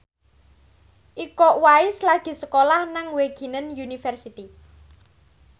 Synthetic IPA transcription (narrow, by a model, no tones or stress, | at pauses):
ʔikɔʔwaɪslaɡ̥i̤səkolahnaŋweɡ̥i̤nənjunifɛrsit̪i